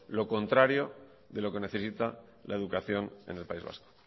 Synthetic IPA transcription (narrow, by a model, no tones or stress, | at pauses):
lo̞ko̞nt̪ɾaɾjo̞ | ðe̞lo̞ke̞ne̞θe̞sit̪a | la̰eðukaθjo̞nḛne̞lpaizβa̰sko̥